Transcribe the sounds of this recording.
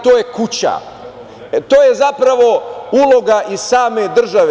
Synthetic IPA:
t̪oːjekut͡ɕa̰ | t̪oːjezapɾaʋo̞ulˠo̞ɡaʔizsaːme̞d̪r̩ʒaʋe

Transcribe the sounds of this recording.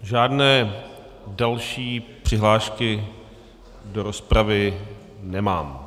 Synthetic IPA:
ʒaːdnɛː | dalʃiːpr̝̥ɪɦlaːʃkɪ | doɾospɾavɪ | nɛmaːm

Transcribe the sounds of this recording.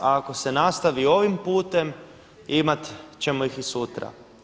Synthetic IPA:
aako̞se̞nast̪aʋio̞ʋimpuːt̪e̞m | imat̪t͡ɕe̞moixisut̪ɾa̰

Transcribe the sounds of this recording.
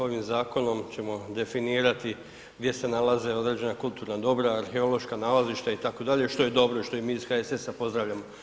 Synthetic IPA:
o̞ʋimzaːko̞no̞mt͡ɕe̞mo̞d̪e̞finiːɾat̪i | ɡd̪je̞se̞nalaze̞o̞d̪ɾe̞d͡ʑe̞nakulˠt̪uːɾnad̪o̞bɾaːɾxe̞o̞lo̞ʃkanaːlaziʃt̪ait̪ako̞d̪aʎe̞ʃt̪o̞je̞d̪o̞bɾo̞iʃt̪o̞imiːizxaese̞sapo̞zd̪ɾaʋʎʲamo̞

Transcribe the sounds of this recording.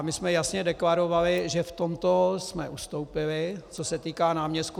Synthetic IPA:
mɪsmɛjasɲɛdɛklaɾo̞valɪʒɛft̪omt̪osmɛʔust̪o̞wpɪlɪt͡sosɛt̪iːkaːnaːmɲɛst̪ku

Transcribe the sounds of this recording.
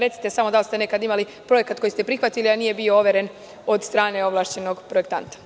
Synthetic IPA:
ɾe̞t̪si̥t̪esamo̞d̪alst̪e̞ne̞kad̪imali | pɾo̞je̞kat̪ko̞jist̪e̞pɾixʋat̪ilianiːje̞bio̞oʋe̞ɾe̞n | o̞d̪st̪ɾaːne̞o̞ʋlˠaːʃt͡ɕe̞no̞ɡpɾo̞ek̚t̪a̰nt̪ḁ

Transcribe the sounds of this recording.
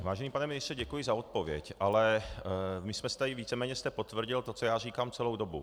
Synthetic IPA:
vaːʒɛniːpanɛmɪnɪst̪rɛɟɛkujɪzaot̪̚povjɛ̰cʔalɛ | mɪsmɛst̪aɪviːt͡sɛmɛːɲɛst̪ɛpot̪vr̩ɟɪlt̪ot͡sojaːriːkamt͡sɛlowdobṵ

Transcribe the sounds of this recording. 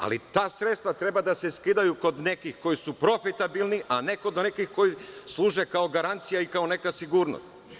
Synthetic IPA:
a̰lit̪aːsɾet̪st̪ʋat̪ɾe̞bad̪ase̞skid̪ajuko̞d̪ne̞kixko̞jisupɾo̞fit̪abilniʔane̞ko̞d̪nekixko̞jislˠuːʒe̞kaoɡaɾant̪sijaikao̞ne̞kasiɡuːɾno̰st̪

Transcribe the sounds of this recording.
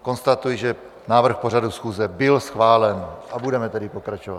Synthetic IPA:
ko̞nst̪at̪ujɪʒɛ | naːvr̩xporadusxuːzɛbɪlsxvaːlɛnʔabudɛmɛt̪ɛdɪpo̞kɾat͡ʃova̰

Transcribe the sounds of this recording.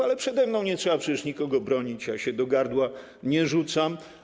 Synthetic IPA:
alɛpʂɛd̪ɛmnɔ̃w̃ɲɛtʂɛbapʂɛt͡ɕɛʂɲikɔɡɔbɾɔɲit͡ɕjaɕɛd̪ɔɡaɾd̪wa | ɲɛʐut̪sam

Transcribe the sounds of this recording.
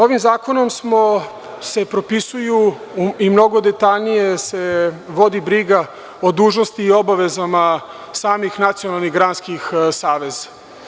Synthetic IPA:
o̞ʋimzaːko̞no̞msmo̞ | se̞pɾo̞pisuju | imno̞ɡo̞d̪e̞t̪aʎnije̞se̞ʋo̞d̪ibɾiɡa | od̪uːʒno̞st̪iːo̞baʋe̞zama | saːmixnat̪sio̞nalˠniɣɡɾanskixsaːʋe̞zḁ

